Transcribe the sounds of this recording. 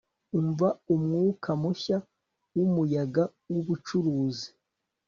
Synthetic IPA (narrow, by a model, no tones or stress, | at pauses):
uɱvaumŋuːkʰamuça | wumujaɡawuβut͡ʃuɾuːzi̥